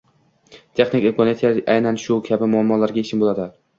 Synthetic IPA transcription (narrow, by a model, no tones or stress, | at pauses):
t̪ʰe̞χnɪkʲɪmkɒnjt̪ʰjaɾʔajnanʃʊkʲʰabɪmʊamːɒlaɾɡʲaet͡ʃʰɪnbolad̪ɪlaɾ